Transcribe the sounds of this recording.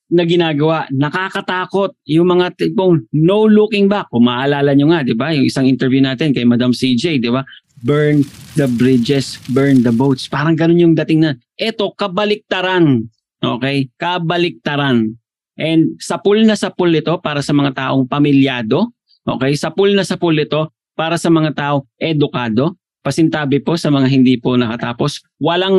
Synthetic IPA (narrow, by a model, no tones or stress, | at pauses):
nɐɡɪnaːɡɐwaʔnɐkaːkɐt̪aːko̞t̪̚jʊŋmɐŋat̪ɪpoŋnowlukɪŋbɐkʊmaːʔɐlaːlɐɲoŋad̪ɪbajʊŋʔɪsaŋʔɪnt̪ɛɾvjunaːt̪ɪnkɐjmɐd̪amsid͡ʒɛjd̪ɪba | bɛɹnd̪ɐbɾɪd͡ʒɛsbɛɹnd̪ɐbowt̪spaːɾɐŋɡɐno̞njʊŋd̪ɐt̪ɪŋnɐn | ʔɛt̪o̞kɐbɐlɪk̚t̪ɐɾan | ʔo̞ːkɛjkɐbɐlɪk̚t̪ɐɾan | ʔɛnd̪̚sɐpʊlnɐsɐpʊlɪt̪o̞paːɾɐsɐmɐŋat̪aːʔo̞ŋpɐmɪljaːd̪o̞ | ʔo̰kɛjsɐpʊlnɐsɐpʊlɪt̪o̞ | paːɾɐsɐmɐŋat̪aːʔo̞ŋʔɛd̪ʊkaːd̪o̞ | pɐsɪnt̪aːbɪpo̞sɐmɐŋaɦɪnd̪ipo̞nɐkɐt̪aːpo̞s | wɐlaŋ